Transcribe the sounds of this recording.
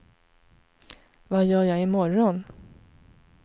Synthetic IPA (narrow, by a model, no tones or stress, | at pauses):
vajœːɾjaɪmɔɾɔn